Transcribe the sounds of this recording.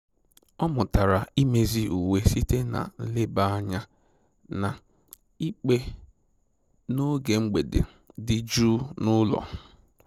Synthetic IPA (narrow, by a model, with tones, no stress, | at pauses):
ɔ˦mʊ˨ta˨ɾa˨i˦me˨zi˦u˨we˦si˦te˦na̰˨˦lɪ˦ba˦a˦ɲa˦ | na˨ | i˦k͡pe˦ | no˦ɡe˨ŋ͡m̩˦ɡ͡be˨dḛ˨ | dɪ˦d͡ʒuː˦nʊ˦lɔ̰˨